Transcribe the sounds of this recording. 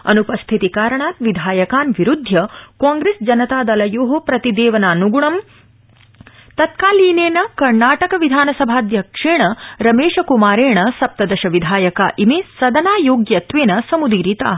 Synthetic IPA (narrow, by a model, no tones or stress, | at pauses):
ɐ̰nupɐst̪ʰit̪ikaːɾɐɳaːt̪ʋid̪ʱaːjɐkaːnʋiɾud̪ʱjɐkaːŋɡɾeːsd͡ʒɐnɐt̪aːd̪ɐlɐjoːɦɐpɾɐt̪id̪eːʋɐnaːnuɡuɳɐm | t̪ɐt̪̚kaːliːneːnɐkɐɾnaːʈɐkɐʋid̪ʱaːnɐsɐbʱaːd̪jɐkʂeːɳɐɾɐmeːʂɐkumaːɾeːɳɐsɐp̚t̪ɐd̪ɐʃɐʋid̪ʱaːjɐkaːʔimeːsɐd̪ɐnaːjoːɡjɐt̪ʋeːnɐsɐmud̪iːɾit̪a̰ː